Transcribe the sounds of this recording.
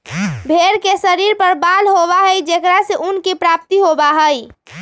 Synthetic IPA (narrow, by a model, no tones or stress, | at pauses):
bʱeɾkesəɾiɾpəɾbalɦobaɦəjd͡ʒekɾaseʔunkipɾap̚t̪iɦobaɦəj